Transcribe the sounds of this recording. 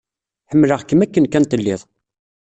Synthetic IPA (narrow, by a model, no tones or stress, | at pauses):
ħəmːləʁkːəmækːənkænt̪əlːiðˤ